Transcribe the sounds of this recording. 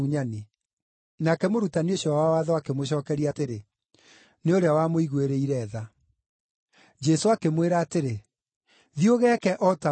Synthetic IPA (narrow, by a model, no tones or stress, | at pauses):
uɲane | nakɛmoɾutanioɕɔwawaðɔakemoɕ̬ɔːkɛɾiateɾe | neoɾeawamoiɣweɾeiɾɛːða | d͡ʒɛsoakemweɾaːteɾe | ðioɣɛkɛʔɔta